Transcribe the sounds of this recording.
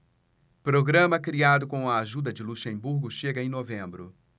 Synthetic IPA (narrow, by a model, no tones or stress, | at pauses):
pɾoɡɾɐ̃mɐkɾiad̪ʊkõw̃ɐaʒud̪ɐd͡ʒɪluʃẽbuɾɡʊʃeɡɐẽj̃novẽmbɾʊ